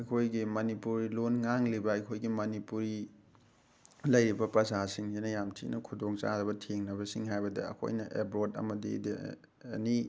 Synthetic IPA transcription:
ɐjkʰojɡimɐnipuɾilonŋaŋlibɐɐjkʰojɡimɐnipuɾi | lɐjɾibɐpɾɐzasiŋsinɐjamtʰḭnɐkʰudoŋt͡ʃa̰ɾɐbɐtʰeŋnɐbɐsiŋɦajbɐdɐ̰ɐ̰kʰo̰jnɐʔebɾodɐ̰mɐdḭdi | ḛni

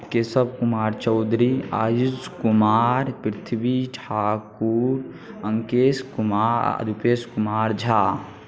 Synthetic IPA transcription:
kesəb̚kʊmaːɾt͡ʃɔːd̪ɾia̰ːjuzkʊmaːɾpɾɪt̪ʰbiʈʰaːkuɾ | ə̃ŋkeːskʊmaːɾə̰d̪upeːskʊmaːɾd͡ʒʱaː

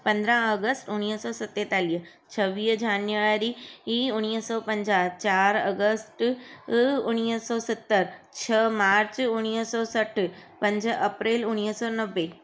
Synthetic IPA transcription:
pɐ̃nd̪ɾə̃ɐɡəsʈʊñiːɦsɔːsɐt̪eːt̪aːliːɦ | t͡ɕʰɐʋiːɦd͡ʑaːnjʋaːɾiiːʊñiːɦsɔːpɐ̃ɲd͡ʑaːt͡ɕaːɾɐɡəsʈ | ʊñiːsɔːsɪt̪ːəɾt͡ɕʰɐmaːɾt͡ɕʊñiːɦsɔːsɐʈʰpɐ̃ɲd͡ʑʱɐpɾeːlʊñiːɦsɔːnɐʋːe

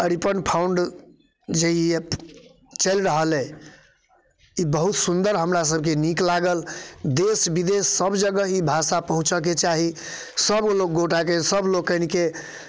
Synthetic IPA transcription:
əɽipənpʰauɳɖ | d͡ʒeie | t͡ʃəlɾəɦəlɛ | ibəɦut̪sund̪əɾɦəmɾas̬əb̚ʱkeniklaɡəld̪esbid̪esːəbd͡ʒəɡəɦibʱasapəɦũt͡ʃək̬et͡ʃaɦi | səblok̚ɡoʈakesəbʱlokənike

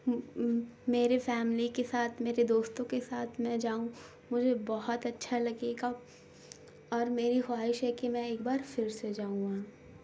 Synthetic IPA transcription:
meːɾefɛːmlikesaːt̪ʰmeːɾed̪oːst̪õkesaːt̪ʰmɛ̃d͡ʒaːũ | mʊd͡ʒʱebɔɦɔt̪ɐtːʃʰalɐɡeːɡa | ɔːɾmeːɾixwaːɦɪʃɦɛkimɛ̃eːkbaːɾfɪɾsed͡ʒaːũãː

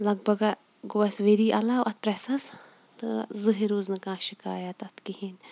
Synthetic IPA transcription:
lɐɡ̚bɐɡa | ɡʊwɐsʋeɾiːʔɐlaːwʔɐt̪̚pɾɛsɐs | t̪ɨzɨɦiɾuːznɨkãːʃika̰ːjɐt̪ɐt̪ʰkihin

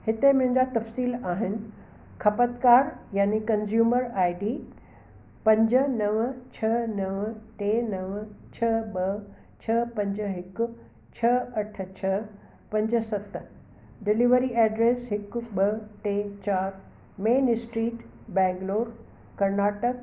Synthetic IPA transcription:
hɪt̪emɐ̃ɦɪ̃ɲd͡ʑat̪ɐfsiːlaːɦɪnɪ̆ | kʰɐpət̪kaːɾjaːnikɐnzjuːməɾaːiɖiː | pɐ̃ɲd͡ʑə̆nɐʋt͡ɕʰɐnɐʋʈeːnɐʋt͡ɕʰɐɓɐ | t͡ɕʰɐpɐ̃ɲd͡ʑəɦɪkʊ̆ | t͡ɕʰɐɐʈ̆ʰt͡ɕʰɐ | pɐ̃ɲd͡ʑə̆sɐt̪ | ɖɪliʋəɾiʔɛːɖɾeːsɦɪkʊ̆ɓɐʈeːt͡ɕaːɾ | meːnsʈɾiːʈ | bɛ̃ːŋɡloːɾ | kɐɾnaːʈək

